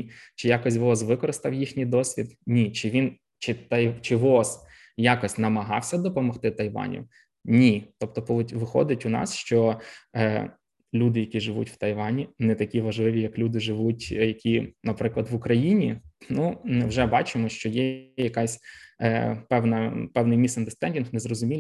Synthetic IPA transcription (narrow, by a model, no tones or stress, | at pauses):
t͡ʃɪjɑkɔsʲʋɔsʋɪkɔɾɪst̪ɐwjixnʲijd̪ɔsʲʋʲḭd̪nʲit͡ʃɪʋʲin | t͡ʃɪt̪ɐjt͡ʃɪʋɔs | jɑkɔsʲtʲnɐmɐɦɑ̰wsʲɐd̪ɔpɔmɔxt̪ɪt̪ɐjʋɑ̰nʲḭ | nʲit̪ɔp̚t̪ɔpˠʲʋɪxɔ̰d̪ɪtʲʊnɑ̰sʃt͡ʃɔ | lʲud̪ɪjɐkʲiʒɪʋṵtʲw̥t̪ɐjʋɑnʲinɛt̪ɐkʲiʋɐʒlˠɪʋʲijɐklʲud̪ɪʒɪʋutʲjɐkʲinɐpɾɪklˠɐd̪ʋʊkɾɐjinʲinumɪwʒɛbɑt͡ʃɪmɔʃt͡ʃɔjɛjɐkɑsʲ | pɛwnɐpɛwnɪjmʲisɐnd̪ɪst̪ɛnʲdʲinxmɪzrɔzʊmʲil